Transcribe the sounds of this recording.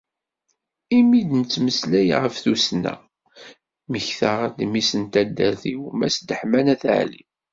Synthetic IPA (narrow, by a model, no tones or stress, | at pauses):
imid̪nət͡sːməslæjʁəfθusnæ̰ | məçθəʁd̪misənt̪æd̪ːæɾθiwmæsd̪əħmænæθə̰ʕlḭ